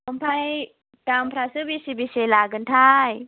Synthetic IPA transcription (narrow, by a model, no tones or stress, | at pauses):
umpʰaj | ʈampʰɾasəbisibiselaɡənʈʰaj